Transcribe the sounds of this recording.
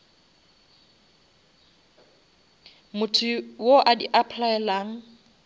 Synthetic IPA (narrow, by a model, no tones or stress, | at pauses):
mʊtʰʊwoʔadiʔapʰlaɛlaːŋ̩